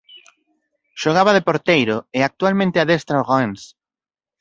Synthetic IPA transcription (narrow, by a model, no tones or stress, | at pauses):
ʃoɣ̞aβaðepoɾt̪ejɾoeak̚t̪ualmẽnt̪eaðest̪ɾaʁans